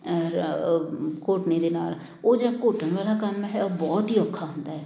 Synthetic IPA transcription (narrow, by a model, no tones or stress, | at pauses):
koːʈnid̪eːnaːl | oːd͡ʒakoːʈənʋaːlakəmɦɛobɔːt̪ɦiːəkʰːaɦʊ̃nd̪aːɦɛː